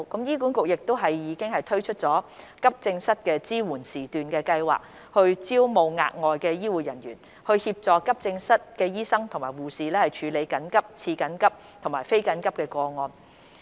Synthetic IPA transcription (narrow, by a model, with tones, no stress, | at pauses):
kɐ˨˥mjiː˥kuː˨˥nkʊ˨k̚jɪ˨k̚t̪o˥wɦɐ˨jjiː˨˧kɪ˥ŋhɐ˨jt̪ʰɵ˥ɥt͡ʃʰɵ˥t̚t͡sɔː˨˥ | kɐ˥p̚t͡sɪ˧ŋsɐ˥t̚kɛː˧t͡siː˥wuː˨˩nsiː˨˩t̪yː˨nkɛː˧kɐ˧jwa̰ː˨˩k̚ | hɵ˧ɥt͡siː˥wmo˨˧wŋa̰ː˧k̚ŋɔː˨jkɛː˧jiː˥wuː˨jɐ˨˩njy̰ː˨˩n | hɵ˧ɥhiː˧p̚t͡sɔː˨kɐ˥p̚t͡sɪ˧ŋsɐ˥t̚kɛː˧jiː˥sɐ˥ŋt̪ʰʊ˨˩ŋmaː˨˩wuː˨˩siː˨lɛː˥hɐ˨jt͡ʃʰyː˨˧le˨˧jkɐ˨˥nkɐ˥p̚t͡sʰiː˧kɐ˨˥nkɐ˥p̚ | t̪ʰʊ˨˩ŋmaː˨˩jfe˥jkɐ˨˥nkɐ˥p̚kɛː˧kɔː˧ŋɔː˧n